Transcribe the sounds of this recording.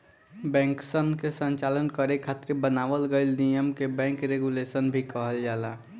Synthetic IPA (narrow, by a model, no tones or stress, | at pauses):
bɛ̃ːŋksənkesə̃nt͡ʃalənkəɾekʰaːt̪ɾebənaːʋəlɡəɪlnijəmkebɛ̃ːŋkɾeɡulesənbʱikəɦəld͡ʒaːla